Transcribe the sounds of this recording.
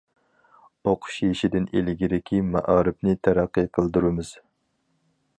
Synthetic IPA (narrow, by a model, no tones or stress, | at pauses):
oqʰʊ̥ʃjeʃid̪ɪnelɪɡʲiɾɪkʲʰimæ̰ʔɑːɾɪpnɪt̪ʰæɾæqːɨqʰəlˠd̪uɾɨmɨz̥